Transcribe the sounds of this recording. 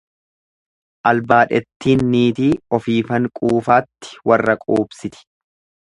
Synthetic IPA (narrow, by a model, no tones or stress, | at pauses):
ʔɐlbaːᶑɛt̪ːiːnːiːt̪iːɔfiːfɐŋkʼuːfaːt̪ːɪ̥wɐrːɐkʼuːbsɪt̪ɪ̥